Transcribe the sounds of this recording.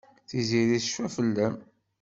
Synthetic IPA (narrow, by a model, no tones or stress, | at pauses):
θiziɾiθʃæfəlːəm